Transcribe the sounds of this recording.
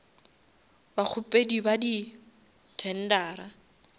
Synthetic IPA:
bak͡xʰʊpʼedibadi | tʰɛn̩daːɾa

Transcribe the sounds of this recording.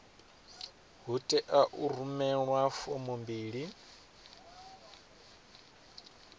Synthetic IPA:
ɦutʼɛʔaʔurumɛɺwafɔmumbiːɺi

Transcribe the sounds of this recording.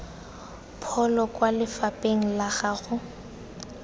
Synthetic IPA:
pʰɔlɔkʼwalɪfapʼeŋ̩laɣaɣʊ

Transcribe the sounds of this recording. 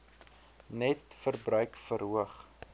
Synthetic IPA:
nɛtfərbrœɥkfəɾɦuəχ

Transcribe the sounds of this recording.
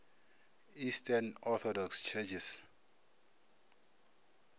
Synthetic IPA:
istʰanɔθʰɔdɔkst͡ʃʰɛt͡ʃʰis

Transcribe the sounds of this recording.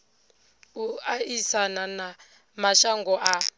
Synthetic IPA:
uaisanana | maʃaŋɡɔʔa

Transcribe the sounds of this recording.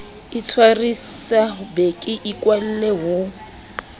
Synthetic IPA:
ɪt͡sʰwarisabekʼɪʔikʼwal̩leɦʊ

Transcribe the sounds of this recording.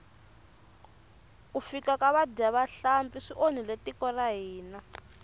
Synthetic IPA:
kufikakaβadiaβaɬampiʂiʔoniletikɔraɦiːna

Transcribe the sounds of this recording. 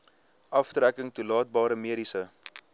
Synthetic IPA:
ʔɐftɾækəŋtulɑːt̚bɑːɾəmiəɾisə

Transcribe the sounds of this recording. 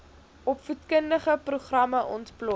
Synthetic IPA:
ɔpfutkəndəχəpruχrɐməʔɔntplɔ

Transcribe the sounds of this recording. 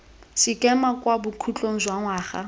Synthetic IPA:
sɪkʼɛmakwabʊkʰut͡ɬʼoŋ̩zwaŋwaːχa̰

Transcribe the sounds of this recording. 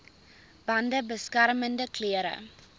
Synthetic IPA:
b̥ɐndəbəskærməndəkliəɾə̰

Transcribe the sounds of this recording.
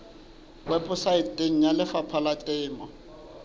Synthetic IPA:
wɛpʼʊsaɪtʼeŋ̩ɲjalɪfapʰalatʼɪːmɔ

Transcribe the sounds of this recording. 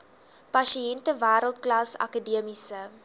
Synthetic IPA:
pɐʃiɛntəvæːɾəlˠt̚klɑːsɐ̰kədiəmisə

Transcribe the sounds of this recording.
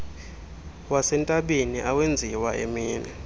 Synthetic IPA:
wasɛntʼaɓeniʔawend͡zʱiwaʔḛmiːnɛ

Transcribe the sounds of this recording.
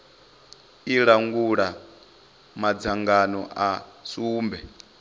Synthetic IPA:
iɺaŋɡuɺa | mad͡zaŋɡanɔʔasuːmbɛ

